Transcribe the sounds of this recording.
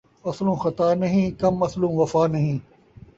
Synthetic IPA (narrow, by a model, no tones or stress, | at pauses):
ɐslõːxɐt̪aːnɐɦĩːkɐmɐslũːʋɐfaːnɐɦĩː